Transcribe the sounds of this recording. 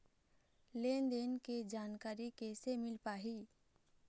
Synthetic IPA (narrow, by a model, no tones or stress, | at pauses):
leːnd̪eːnked͡ʒaːnkaːɾikeːsemɪlpaːɦi